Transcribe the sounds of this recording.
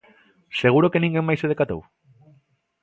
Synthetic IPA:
seɣ̞uɾokenĩŋɡeŋmajseðekat̪o̰w

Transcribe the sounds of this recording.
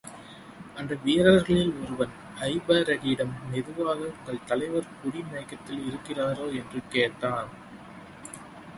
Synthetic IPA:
ɐnd̪ɐʋijɐɾaːɐɾɣɐɭɪlɔɾɯʋɐn | ɐɪbaːɾɐɽiɪɽɐmnɪðɯʋaːɣɐʊŋɡɐɭt̪ɐlɐɪʋɐɾpʊɾimɐɪkːɐt̪ːɪlɪɾɯkːɪraːɾoːɛndrɯkeːt̪aːn

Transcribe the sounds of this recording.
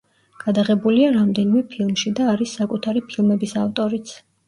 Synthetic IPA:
ɡ̥ad̪aʁɛbuliaɾamd̪ɛnimɛpʰilˠmʃid̪aːɾisːakʼut̪ʰaɾipʰilˠmɛbisaft̪ʼɔɾit̪sʰ

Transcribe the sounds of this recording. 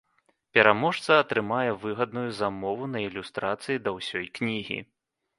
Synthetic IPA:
pʲɛɾamɔʂt̪sɐːt̪ɾɨmajɛvɨɣɐd̪̚nujuzamɔvunɐilʲust̪ɾat̪sɨjid̪ɐwsʲɔjknʲiɣʲḭ

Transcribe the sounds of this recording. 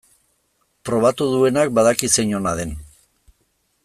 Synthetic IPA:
pɾo̞β̞at̪uðue̞nak̚baðakiseɲo̞naðe̞n

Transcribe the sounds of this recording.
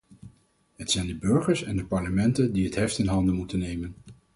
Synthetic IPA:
ɦətsɛjndəbɵɹχəɹsɛndəpɑɹləmɛntəndiɦətɦɛftɪnɦɑndəmutənːejmən

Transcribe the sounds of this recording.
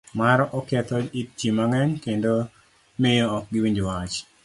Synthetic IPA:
maɾɔʔɔkɛt̪ɔit͡ʃjimaŋɛɲkendo | mɪjoɔk̚ɡɪwiɲd͡ʒwat͡ʃ

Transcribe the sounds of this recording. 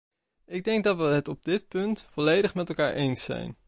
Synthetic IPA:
ɪɡ̚dɛŋɡ̚dɑtʋəɦətɔb̚dɪtpɵntfɔlejdəχmɛtɛlˠkaːɹʔejnsːɛ̰jn

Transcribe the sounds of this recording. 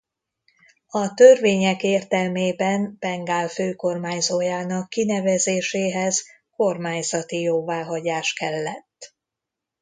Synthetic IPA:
ɒt̪ørveːɲɛkeːrt̪ɛlmeːbɛnpɛŋɡaːlføːko̞rmaːɲzoːjaːnɒkːinɛvɛzeːʃeːɦɛz | ko̞rmaːɲzɒt̪ijoːvaːɦɒɟaːʃkɛlːɛt̪ː

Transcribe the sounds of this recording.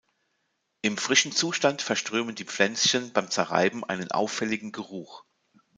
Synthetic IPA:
ʔɪmfʁ̥ɪʃn̩t͡suːʃtantfɛɐʃtʁ̥øːməndiːp͡flɛnt͡sçənbaɪmt͡sɛɐʁa̰ɪbm̩ʔa̰ɪnənʔa̰ʊfɛlɪɡŋ̩ɡəʁuːx

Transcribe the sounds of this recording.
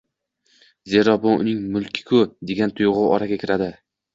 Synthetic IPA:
ze̞ɾɒbonʊ̰nɪŋmʊlˠkʲʰɪ̥kʰʊd̪e̞ɡʲant̪ʰʊjʁʊwɒɾaɡʲakʲɪɾad̪ɪ

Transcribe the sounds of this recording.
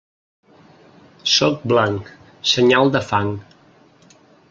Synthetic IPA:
sɔk̚blaŋk | səɲalˠd̪əfaŋ

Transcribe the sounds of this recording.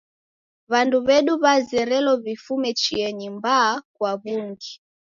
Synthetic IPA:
βanduβɛɗuβazɛɾɛlɔβifumɛt͡ʃiɛɲimbaːkwaβuŋɡi

